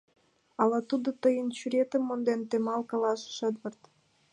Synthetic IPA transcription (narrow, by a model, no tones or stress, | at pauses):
ɑlɑt̪ud̪ot̪əjənt͡ɕyɾʲet̪ə̆mːond̪ent̪emɑlkɑlɑʃʃəd̪βərt̪